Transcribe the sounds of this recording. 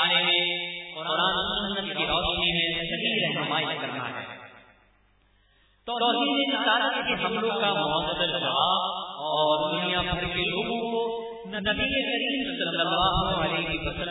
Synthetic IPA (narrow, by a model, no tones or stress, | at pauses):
aːlemẽqʊɾaːnsʊnːət̪kiɾɔːʃnimẽsɐɦiːɾɛɦɦɪmaːɪt̪kɐɾna̰ɦɛ̰ː | t̪t̪ɔːsiːɾenɪsaːɾət̪keɦɐmlõkamʊɦəkd̪əld͡ʒɐʋaːbɔːɾd̪ʊnijabʱɐɾkeloːɡõko | nɐbiekɐɾiːmsɐld̪ːəlːaːɦʊɐleɦipɐsə